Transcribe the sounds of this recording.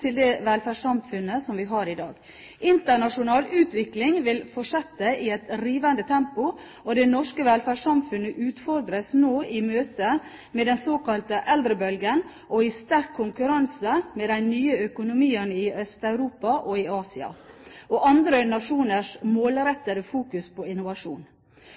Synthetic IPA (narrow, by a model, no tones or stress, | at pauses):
t̪ʰɪld̪ɛːʋɛlfæːʂɑmfʉnːəsɔmʋɪɦɑɾɪd̪ɑːɡ | ʔɪnt̪əɳɑʂʊnɑːlʉːt̪ʋɪklɪŋʋɪlfɔʂɛt̪ːəɪɛt̪ɾiːʋənd̪ət̪ʰɛmpʊ | ɔd̪ɛnɔʂkəʋɛlfæːɑmfʉnəʔʉːt̪fɔɾd̪ɾəsnoːɪmøːt̪ə | med̪ɛnsoːkɑlt̪əʔɛld̪ɾəbœlɡən | ʔɔɪst̪æɾkʰːʊŋkʉɾɑnsəmɛːd̪æɪnyːəœkʊnʊmiːənɪœst̪ɑʉɾuːpɑʔɔɪɑːsɪɑ̰ | ʔɔʔɑnd̪ɾənɑʂuːnəʂmoːlɾɛt̪ːəɾəfuːkʉspʰɔɪnʊʋɑʂṵːn